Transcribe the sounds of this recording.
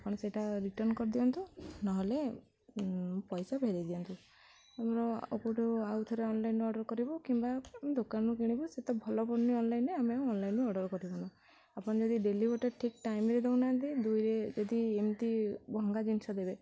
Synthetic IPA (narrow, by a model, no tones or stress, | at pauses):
apɔɽ̃ɔseʈaɾiʈɔɾnkɔɾd̪ibɔnt̪unaɦole | pɔjsabʱeɾid̪iɔnt̪u | amɾɔo̰puʈuawt̪ʰɔɾeɔnlajnuɔɖɔɾkɔɾibɔkimbad̪okanukiɽ̃ibuset̪ɔbʱɔlɔbɔɾniɔnlajneameawɔnlajnuɔɖɔɾkɔɾibɔna | apɔɽ̃d͡ʒɔd̪iɖelibɔʈeʈʰikʈajmɾed̪ewnant̪id̪ujɾed͡ʒɔd̪iemt̪ibɔŋɡad͡ʒinsɔd̪ebe